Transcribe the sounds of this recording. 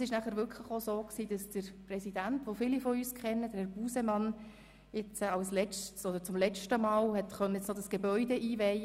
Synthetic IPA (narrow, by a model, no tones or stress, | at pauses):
sɪʃnæχəɾʋʏɹkʰχləχosoːksiːd̥ɑsd̥əɾprɛsid̥æntʋofɪlifɔyːskʰɛnːəd̥əɾhɛɾb̥uːsɛmɑn | jɪt͡səɑlslɛt͡ʃtsɔd̪əɾt͡sʊmlɛt͡ʃtəmɑːlhɛtχœnːəjɛt͡snɔd̥ɑsɡ̥ebœʏdɛʔiːvɛj